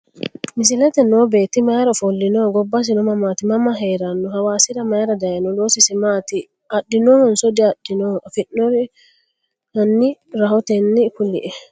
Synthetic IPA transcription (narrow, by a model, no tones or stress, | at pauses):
mɪs̬ɪlɛt̪ɛnɔbeːt̪ːɪmajɾɔfɔlːɪnoːɡɔbːɐs̬ɪnɔmɐmaːt̪ɪmɐmɐɦeːɾɐnːɔɦɐwaːsɪɾɐmaːɾɐd̪ɐjɐnɔloːsɪsɛmat̪ɪ | ɐɗːɪnɔːhɔnsɔd̪iɐɗːɪnɔfɪʔːɔɾ | hɐnːɪɾɐhɔt̪ɛnːɪkʊlːɪ̰ʔɛ